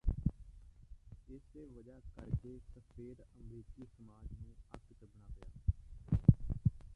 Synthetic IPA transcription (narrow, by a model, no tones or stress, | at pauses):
ɪseːʋəd͡ʒaːkəɾkeːsəpʰeːɾəmɾiːkiːsəmaːd͡ʒnẽːə̰t̪kbənaːpɪjaː